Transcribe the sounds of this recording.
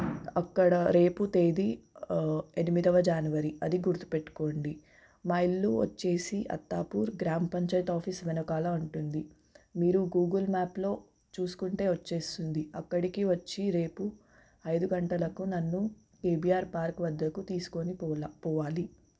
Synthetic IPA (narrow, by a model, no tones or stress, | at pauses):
ɐkːɐɽɐɾe̞ːput̪e̞ːd̪i | e̞nimid̪ɐʋɐd͡ʒaːnuʋɐɾiɐd̪iɡuɾt̪u̥peʈːu̥ko̞ːɳɖi | maːilːuːʋɐ̰t͡ʃːe̞ːsiʔɐ̰t̪ːaːpuːɾɡɾaːmpɐɲt͡ʃɐjʈaːpʰiːsʋɛnɐkaːlɐuɳʈund̪i | miːɾuɡuːɡɐlmaːplo̞ː | t͡ʃuːsu̥kuɳʈe̞ːʋɐt͡ʃːe̞ːst̪und̪iɐkːɐɽikiʋɐt͡ʃːiɾe̞ːpu | ɐjd̪uɡɐɳʈɐlɐkunɐnːu | keːbijaːɾpaːɾkʋɐd̪ːɐkut̪iːsu̥ko̞nipɔːʋaːli